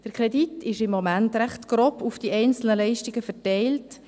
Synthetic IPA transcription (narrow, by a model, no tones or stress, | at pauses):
d̥əɾkʰɾeditɪʃɪmːomæntɾæχtɡ̥ɾoːpufd̥iʔɛɪnt͡sl̩nəlɛɪʃtiɡəfɛtɛɪlt